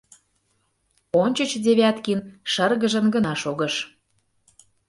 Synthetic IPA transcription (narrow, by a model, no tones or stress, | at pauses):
onʲt͡ɕə̆t͡ɕd̪ʲeβʲæt̪kinʃərɣə̆ʒə̆nɡə̆nɑʃoɣə̆ʃ